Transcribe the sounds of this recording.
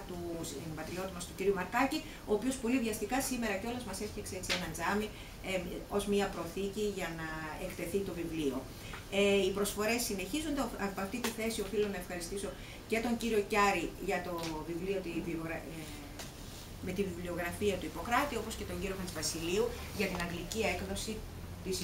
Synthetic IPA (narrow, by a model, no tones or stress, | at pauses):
t̪usmbɐt̪ɾio̞t̪imɐst̪uciɾiumɐɾkɐci | o̞ːpio̞spo̞livʝɐst̪ikɐsime̞ɾɐceo̞lɐzmɐse̞sçekseekt͡sienɐnd͡zɐmi | o̞zmiɐpɾo̞θiciʝɐnɐekt̪e̞θit̪o̞vivlio̞̰ | eipɾo̞sfo̞ɾe̞sːine̞çizund̪ɐpɐft̪it̪iθe̞sio̞filonɐefxɐɾist̪iso̞ | ce̞t̪o̞ɲɟiɾio̞cɐɾiʝɐt̪o̞vivlio̞t̪ivioɣɾɐ | me̞t̪ivivlio̞ɣɾɐfiɐt̪uipo̞kɾɐt̪io̞po̞sce̞t̪o̞ɲɟiɾoɣɐnzvɐsiliu | ʝɐt̪inɐŋɡlicie̞kðo̞si | t̪is